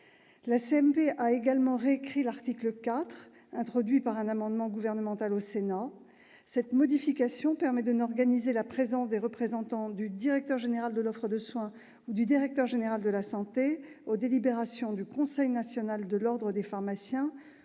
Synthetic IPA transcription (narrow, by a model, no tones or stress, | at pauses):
laseɛmpeʔaeɡalmɑ̃ʁeekχilaʁt̪ikləkat̪χ | ɛ̃t̪χɔd̪ɥipaʁɛ̃namɑ̃d̪mɑ̃ɡuvɛʁnəmɑ̃t̪alosena | sɛt̪mɔd̪ifikasjɔ̃pɛʁmɛd̪ənɔʁɡanizelapχezɑ̃sd̪eʁəpχezɑ̃t̪ɑ̃d̪yd̪iʁɛk̚t̪œʁʒeneʁald̪əlɔfχəd̪əswɛ̃ | ud̪yd̪iʁɛk̚t̪œʁʒeneʁald̪əlasɑ̃t̪eod̪elibeʁasjɔ̃d̪ykɔ̃sɛjnasjɔnald̪əlɔʁd̪ʁəd̪efaʁmasjɛ̃